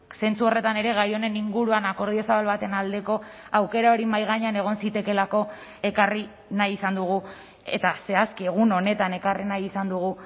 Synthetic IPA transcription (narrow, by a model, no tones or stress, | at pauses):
se̞nt͡suo̞re̞t̪ane̞ɾe̞ɣajo̞ne̞niŋɡuɾuanako̞ɾð̞io̞saβalβat̪e̞nald̪e̞ko̞ | awke̞ɾao̞ɾimajɣ̞aɲeane̞ɣ̞o̞nsit̪e̞ke̞lako̞ | e̞kari | najisand̪uɣ̞u | e̞̰t̪ase̞askieɣ̞uno̞ne̞t̪ane̞karinajisand̪uɣ̞u